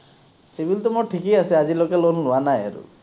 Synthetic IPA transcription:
sebʱilt̪̬ɔmɔʈʰikijasiad͡ʒilokelonluanaja̰ɾṵ

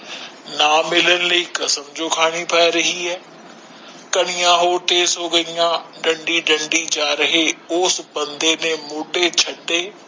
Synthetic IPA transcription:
naːmɪlənɪ̆ləiːkɐsəmd͡ʒokʰaːɽ̃ipʰaːeɾɐɦiɦɛː | kɐɽ̃ɪjãːɦoːʈeːsɦoːɡəijãːɖɐ̃ɳɖiɖə̃ɳɖid͡ʒaːɾəɦeʊːsbə̃nd̪eːnẽmoːʈet͡ʃʰɐʈːeː

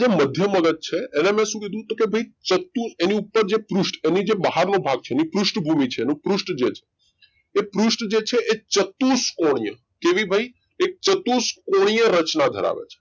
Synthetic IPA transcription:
d͡ʒeməd̪ʱjəməɡət̪̚t͡ʃʰeenemɛ̃ʃũkid̪ʱũt̪okebʱəit͡ʃət̪useniupːəɾd͡ʒepɾuʃʈenid͡ʒebəɦaɾnobʱaɡ̚t͡ʃʰeenipɾuʃʈbʱumit͡ʃʰeːnũpɾuʃʈd͡ʒet͡ʃʰe̥ | epɾuʃʈd͡ʒet͡ʃʰeʔet͡ʃət̪uskoɽ̃ijə̰ | keʋibʱəi | ek̚t͡ʃət̪uskoɽ̃ijəɾət͡ʃnad̪ʱə̰ɾa̰ʋḛt͡ʃʰe̥

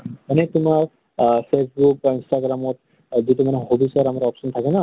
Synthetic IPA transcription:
anɛtʊmaɹ | pʰesbuk̚bainstaɡɹamɔt̚ | zitumanɛhobisɔɾamaɾɔpsɔntʰakɛna

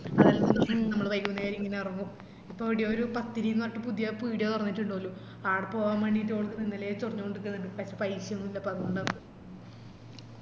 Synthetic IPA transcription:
ɐðɐlːɐnːunɨmɐɳinɐmːɐɭʋɐjkːuʋnːɐjaːɾiŋːɐneɐrɐŋːu | ipːoːiɽijoːɾupɐt̪ːiɾinɐʈːɨpuðijɐpiːɽijɐt̪urɐɲːitːuɳɖoːlːu | aːɽɨpo̞ːɣaːmʋeːɳɖitːoːɭkːɨnenːelɐet͡ɕurɐɲːukoɳɖɨk̬ːɨnːɐɳɖɨpɐːepɐjiɕjɐɐnːuilːɐpɐðɐuɳɖɐ

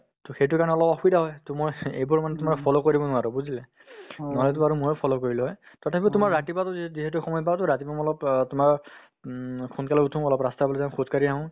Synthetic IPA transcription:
tɔxejt̬ʊkaɹnɛɔlɔpɔxuidaɦɔjtʊmɔjejbuɹmanɛtʊmaɹɔpʰɔlɔkoɹibɔnʊaɹɔbuzilɛ | nalɛt̬ʊaɹumojpʰɔlɔkoɹilʊɦɔj | tɔtʰapitʊmaɹɹatipatʊziziɦɛtuxɔmɔjpatɔɹatibamɔlɔptʊmaɹ | kʰunkalɔutʰũɔlɔpɹastabɔlɔzãkʰut̚kaɹiaɦʊ̃

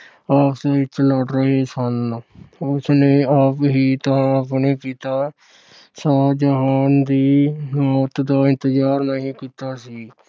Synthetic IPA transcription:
aːpʰsaɪt͡ʃləɖɾəɦeːsən | ʊsneːəpɦiːt̪əɦãəpneːkiːt̪aː | saːd͡ʒəɦaːnd̪iːnoːt̪d̪aːɪ̃nt̪əzaːɾnəɦĩːkiːt̪aːsiː

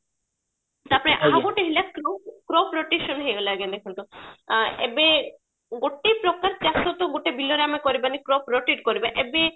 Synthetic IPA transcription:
t̪apɔɾeʔaaɡoʈeɦilakɾɔpkɾɔpʰɾoʈeʃɔnɦejɡelaaɡend̪ekʰɔnt̪ɔ | ḛbe | ɡoʈejpɾɔkaɾt͡ʃasɔt̪ɔɡoʈebilɔɾeamekɔɾibanikɾɔpʰɾɔʈiʈkɔɾibaʔebe

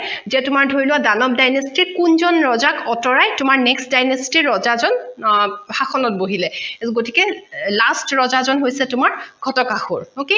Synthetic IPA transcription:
zɛtʊmaɹdʱoɹilʊwadanɔp̚dajnestiɹkunzɔnɹɔzakɔtɔɹajtʊmaɹnɛkstdajnestiɹːɔzazɔn | haxɔnɔt̚boɦilɛɡotikɛlastɹɔzazɔnɦojsɛtʊmaɹɡʱɔtɔkaxoɹoke

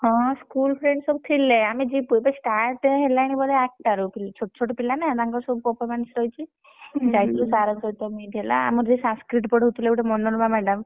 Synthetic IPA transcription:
ɦɔ̃skulpʰɾeɳɖsɔbut̪ʰilːeamid͡ʒipubesʈaɾʈɦelajnibɔleak̚ʈaɾupilt͡ʃʰoʈt͡ʃʰoʈɔpilanãt̪ãŋkɔsɔbupɔɾpʰɔɾmansɾɔjt͡ʃʰi | d͡ʒajt̪ʰlusaɾɔd͡ʒɔjt̪ɔmiɖijala̰a̰mɔɾd͡ʒisãskɾiʈbɔɖɦut̪uleuʈemɔɳɔnbamɛɖəm

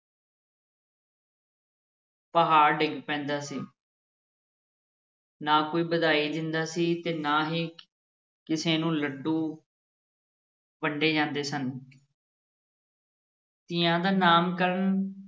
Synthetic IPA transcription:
pəɦaːɾɖɪŋɡpɛ̃ːnd̪aːsiː | naːkoːiːbəd̪aːiːd̪ɪnd̪aːsiːt̪eːnaːɦiː | kɪseːnũːləɖũː | bəɳɖeːd͡ʒãːnd̪eːsən | t̪ɪjãːd̪aːnaːmkəɾəɳ

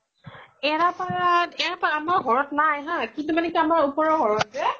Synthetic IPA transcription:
ɛɹapaɹatɛɹapaaamaɹɡʱɔɹɔtnajɦãkintumanɛkiamaɹupɔɹɔɦɔɹɔtzɛ

